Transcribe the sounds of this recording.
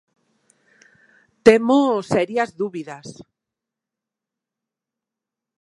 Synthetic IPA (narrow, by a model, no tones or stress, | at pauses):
t̪emosɛɾjazðuβiðas